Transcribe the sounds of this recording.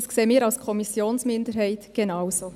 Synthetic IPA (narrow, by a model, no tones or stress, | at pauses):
skseːmiːɾɑlskʰɔmisjoːnsmɪndəɾɦɛɪt̪ɡ̥enɑwsoː